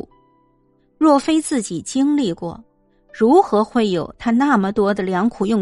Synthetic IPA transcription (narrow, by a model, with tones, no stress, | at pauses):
ɻwɔ˥˩fe˥ɪt͡sɹ̩˥˩t͡ɕi˨˩t͡ɕi˥ŋli˥˧kwɔ̰˥˩ | ɻu˧˥xɤ˧˥xwe˥˩ɪjo˨˩ʊt̪ʰa˥na˥˩mə˩t̪wɔ˥d̪ə˨ljɑ˧˥ŋkʰu˨˩jʊ˥˩ŋ